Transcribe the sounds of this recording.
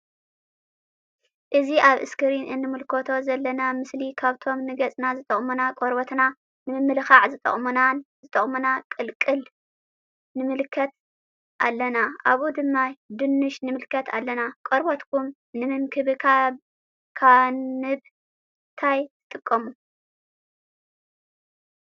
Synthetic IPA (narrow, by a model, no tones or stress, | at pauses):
ʔɨziʔaβʔɨ̰skʰɨɾinɨnːɨmɨlkʰot̪ʰo̞zɐlːɐnamɨslikʰaβt̪ʰo̞mnɨɡɐt͡sʼnazɨt̪ʼɐχʼmunakʼoɾbot̪na | nɨmɨmːɨlɨxaʕzɨt̪ʼɐ̰χʼmunazɨt̪ʼɐχʼmunakʼɨlkʼɨl | nɨmɨlɨkʰːɐt̪̚ | ʔa̰lːɐnaʔaβud̪ɨmːad̪ɨnːɨʃnɨmɨlkʰɐt̪ʰa̰lːɐnakʼoɾbot̪kʰum | nɨmɨnkʰɨβɨa | kʰaɨb | t̪ʰajt̪ʰɨt̪ʼɨkʼːɐmu